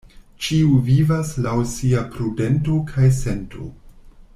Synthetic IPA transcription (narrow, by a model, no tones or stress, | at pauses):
t͡ʃiuvivaslawsiapɾudentokʰajsentʰo̰